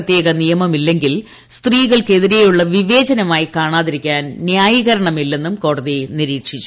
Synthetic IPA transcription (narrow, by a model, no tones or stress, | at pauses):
t̪ːje̞ːɣɐnijɐmɐmilːe̞ŋɡil | st̪riːɣɐɭke̞ðiɾe̞juɭːɐʋiʋe̞ːd͡ʑɐnɐmaːjikaːɳaːðiɾikʲːaːnnjaːjiɣɐɾɐɳɐmilːe̞nːumko̞ːɽɐðiniɾiːkʂit͡ɕːu